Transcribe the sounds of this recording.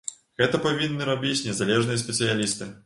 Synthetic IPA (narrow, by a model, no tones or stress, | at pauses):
ɣɛt̪ɐpavʲinːɨɾabʲit͡sʲnʲɛzalʲɛʐnɨjɐs̬ʲpʲɛtsɨjalʲist̪ɨ